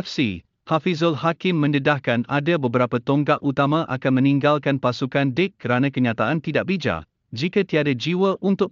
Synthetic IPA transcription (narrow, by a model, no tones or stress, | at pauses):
fsi | hafizɔlhakɪmːə̃nədahkanadabəbəɾapat̪ɔŋkaʔut̪amãʔa̰kanmə̃niŋɡalkanpasukandɪkːəɾanãkəɲãt̪aant̪idaʔ̚bid͡ʒa̰ | d͡ʒikat̪iadad͡ʒiwəʔunt̪ʊk